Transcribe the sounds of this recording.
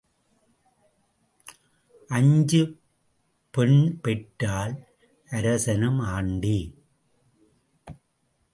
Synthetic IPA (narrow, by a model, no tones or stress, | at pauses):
ʔɐɲd͡ʒɯ | pɛɳpɛʈːaːl | ʔɐɾɐsɐnɐmaːɳɖi